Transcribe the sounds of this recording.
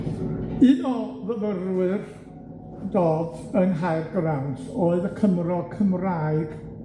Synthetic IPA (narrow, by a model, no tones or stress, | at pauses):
ɨnɔvəvərwɨr | dɔːdənɦajrɡrawdoːɨðəkʰəmrɔkʰəmraːɨɡ̥